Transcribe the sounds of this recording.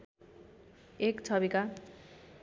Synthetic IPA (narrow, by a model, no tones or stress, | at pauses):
ekt͡sʰʌbika